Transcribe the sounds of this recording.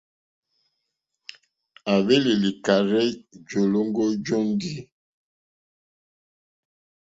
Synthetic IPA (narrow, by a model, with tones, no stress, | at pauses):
a˨βe˦li˨li˨ka˨ɾɛ˦d͡ʒo˨lo˦ŋɡo˦d͡ʒo˦n˦di˦